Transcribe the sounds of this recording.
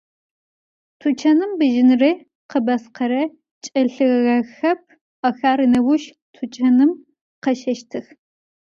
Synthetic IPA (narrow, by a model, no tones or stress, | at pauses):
tʰut͡ʃʰɐnɨmbɨʒɪnrɨ | qəbɐsqʰɐɾɐ | t͡ʃʼɐɬɨɣɣɐxɐp̚ʰ | ɐxaːɾɨnɐwʊʃ | tʰut͡ʃʼɐnɨm | qɐʃɐʃtʰɨx